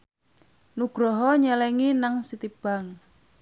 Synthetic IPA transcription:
nuɡ̥ɾɔɦɔɲɛlɛŋinaŋsit̪ib̥aŋ

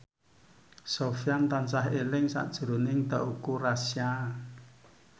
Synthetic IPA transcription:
sofijant̪ansaɦelɪŋsa̰ʔd̥ʒ̥ṳɾo̤nɪŋd̪a̤ʔukurasja

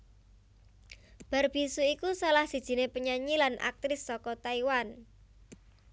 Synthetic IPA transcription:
b̥a̤rb̥isuikusalahsid̥ʒ̥i̤nepəɲaɲilanʔa̰k̚t̪ɾɪsːɔkɔt̪aiwan

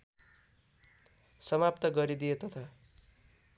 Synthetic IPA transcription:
sʌmap̚t̪ʌɡʌɾid̪ijet̪ʌt̪ʰa

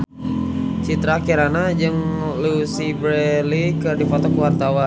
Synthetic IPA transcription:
t͡ʃit̪ɾakiɾanad͡ʒɨŋlusibɾelikərdifɔt̪ɔkuwart̪awa

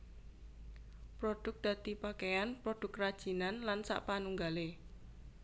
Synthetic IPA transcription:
pɾod̥ʊk̚d̪̥ä̤t̪ipakejanpɾod̥ʊ̤krad̥ʒ̥i̤nanlansa̰ʔpanuŋɡale

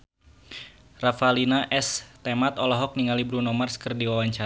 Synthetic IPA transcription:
rafalinaʔɛst̪emat̪ɔlɔɦɔk̚niŋalibɾunɔmarskɨrdiwawaɲt͡ʃa

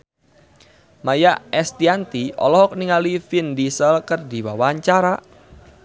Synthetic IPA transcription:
majaʔɛst̪iant̪iɔ̰lɔhɔk̚niŋalifind̪isəlkərdiwawaaɲt͡ʃaɾa

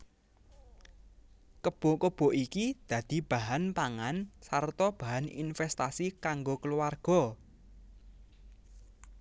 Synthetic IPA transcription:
kəb̥ɔ̤kəb̥ɔ̤ʔikid̪̥ä̤d̪̥i̤b̥a̤ɦanpaŋansart̪ɔb̥a̤ɦanḭnfɛst̪asikaŋɡokəluwarɡ̥ɔ̤

